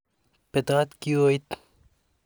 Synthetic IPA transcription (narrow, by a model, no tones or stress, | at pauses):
pet̪aːt̪kiojt̪